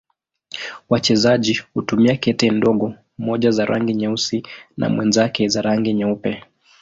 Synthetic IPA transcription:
wat͡ʃɛzaʄihutumiakɛtɛndɔɠɔ | mɔʄazaɾʔaŋɡiɲausina̰mwɛnzakɛzaɾaŋɡɛɲɛupɛ

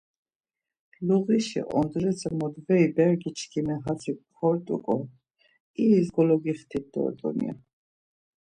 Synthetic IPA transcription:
luʁiʃḭʔɔ̰nd̪ɾɛsʰɛmɔd̪vɛibɛɾɡit͡ʃʰkʰimɛɦat͡s̪ʰi | ɔɾt̪ʼukʼɔ | iːzɡɔlɔɡiχt̪ʰit̪̚d̪ɔ̰ɾt̪ʼɔ̰nḭa̰

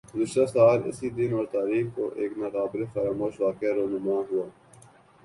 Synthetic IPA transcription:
ɡʊzɪʃt̪asaːlɪ̰sid̪ɪnɔːɾt̪aːɾiːxko̰ʔeːknɐt̪aːbɾefɐɾaːmoːʃʋaːkeɾoːnʊmãːɦʊaː

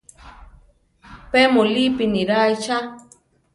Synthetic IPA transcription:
pemolipiniɾajt͡ʃa

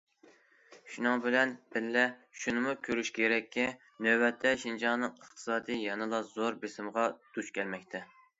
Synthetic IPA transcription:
ʃunɨŋbɪlɛnbɪlːɛʃunɨmukʲʰøɾyʃkʲʰeɾɛkʲʰːi | nøbɛt̪ʰːɛʃind͡ʒɑnɨŋəχt̪ʰɨ̥sɑːd̪ijjɑnɨlˠɑzoɾbesɪmʁɑd̪̥ut͡ʃkʲʰɛlmɛkʲt̪ʰɛ

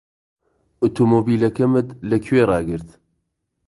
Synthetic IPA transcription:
ut̪ʰomoːbiːlɐkɐmɨt̪lɐkʰweːɾˤɑːɡɨɾt̪

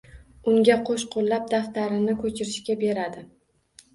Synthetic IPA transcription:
ʊŋɡʲaqʰoʃqʰolːap̚d̪aft̪aɾɪnɪkʰɵt͡ʃʰɪɾɪʃkʲabe̞ɾad̪ɪ

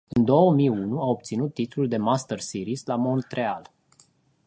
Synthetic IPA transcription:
ɨnd̪o̞wəmijunuao̞b̚t̪sinut̪ːit̪luld̪e̞mast̪ərsiɾislamo̞nt̪ɾe̞al

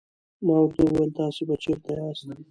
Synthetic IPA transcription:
mɑwaɾt̪awajelt̪ɑsebat͡ʃeɾt̪ajɑst̪am

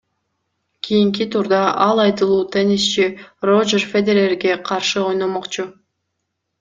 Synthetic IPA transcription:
kʲʰijiŋk̬it̪ʰuɾd̪ɑʔɑlˠɑjt̪ɯlˠuːt̪ʰenist͡ʃirod͡ʒerfed̪eɾerɡe̞qʰɑɾʃɯo̞jnomoqt͡ʃu

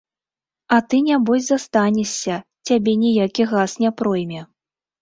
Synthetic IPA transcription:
ɐt̪ɨnʲabɔzʲzast̪anʲɛsʲːɐt͡sʲabʲɛnʲijakʲiɣasnʲɛpɾɔjmʲɛ

